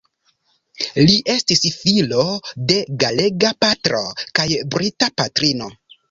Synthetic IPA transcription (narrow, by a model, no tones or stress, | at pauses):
liʔe̞stisfilo̞de̞ɡale̞ɡapatɾo̞̰kajbɾitapatɾino̞